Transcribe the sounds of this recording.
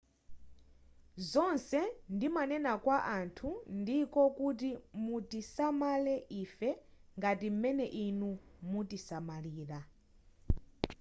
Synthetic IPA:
zɔnsɛndimanɛnakwaʔantʰundikɔkut̬imutisamalɛʔiːfɛŋɡatim̩mɛnɛʔinumutisamaliːɾa

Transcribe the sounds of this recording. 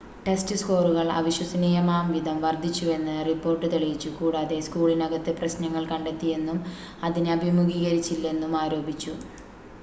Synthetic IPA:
ʈe̞stɨsko̞ːruɣɐɭɐ̰ʋiɕwɐsɐniːjɐmaːmʋid̪ʱɐmʋɐrd̪ʱit͡ɕːue̞nːɨripːo̞ːrʈːɨt̪eɭijit͡ɕːukuːɽaːðe̞skuːɭinɐɣɐt̪ːɨprɐɕnɐŋːɐɭkɐɳɖe̞t̪ːije̞nːum | ɐðinɨɐbʱimuɣiːɣɐɾit͡ɕːilːe̞nːumaːɾo̞ːbʱit͡ɕːu

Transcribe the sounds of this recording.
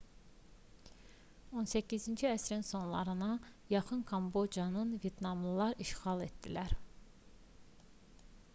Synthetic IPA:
o̞nsæcʰːizind͡ʒiæsɾinso̞nlˠɑ̰ɾɯnɑjɑχɯnkʰɑmbo̞d͡ʒjɑnɯnvjet̪nɑmlˠɯlˠɑɾiʃχɑlˠet̪d̪̥ilæɾ

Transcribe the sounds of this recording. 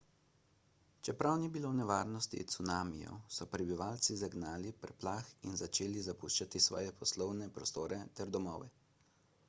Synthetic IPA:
t͡ʃɛpɾawniːbilownɛʋaːɾnɔst̪ḭt̪sunaːmḭjɔ̰sɔpɾɛbiʋaːlt̪sizaɡnaːlipɾɛplaxinzat͡ʃeːlizapuʃt͡ʃat̪isʋɔ̰ːjɛpɔslɔwnɛpɾɔst̪oːɾɛt̪ɛɾd̪ɔmɔːʋɛ

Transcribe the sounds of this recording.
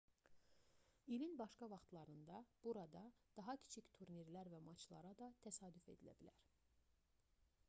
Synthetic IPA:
ilinbɑʃkɑvɑχt̪lˠɑɾɯnd̪ɑb̥uɾɑd̪ɑd̪̥ɑɦɑcʰi̥t͡ʃʰict̪ʰuɾniɾlæɾvæmɑt͡ʃʰlˠɑ̰ɾɑd̪ɑt̪ʰæsɑːd̪yfe̞̰d̪ilæ̰bilæɾ

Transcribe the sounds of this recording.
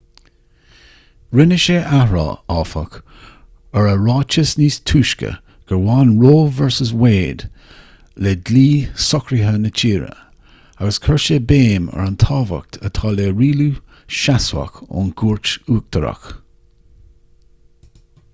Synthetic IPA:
ɹɪnəʃeːʔahɹɑ̰ːɑːfə̰k | əɹəɹɑːt͡ʃəsniːstʰuːʃkə̰ | ɡ̥əɹwɑːnɹoːvɛɹsəsweːd̪ | ledliːsɔkɾiɦənət͡ʃʰiːɹə̰ | aɡəskʰɛɹʃeːbeːmə̰ɹant̪ʰɑːvə̰k̚t̪ʰət̪ʰɑːleːɹiːluː | ʃaswa̰kʊ̰nɡ̥uːɹt͡ʃuːk̚t̪ʰəɾa̰k

